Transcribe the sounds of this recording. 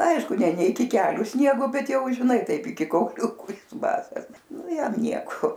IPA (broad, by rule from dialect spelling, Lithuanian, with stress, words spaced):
ˈɐɪʃkʊ nʲɛ ˈnʲɛ ɪkʲɪ ˈkʲæːlʲʊ ˈsʲnʲiɛɡoː ˈbʲɛt ˈjɛʊ ʒʲɪˈnɐɪ ˈtɐɪp ɪˈkʲɪ kɐʊˈlʲʊkʊ ˈjɪs ˈbɑːsɐs ˈnʊ ˈjɛm ˈnʲiɛkoː